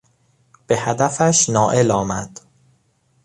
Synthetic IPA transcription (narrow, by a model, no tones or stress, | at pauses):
b̥e̞hæd̪æfæʃnɒːʔe̞lɒːmæd̪̥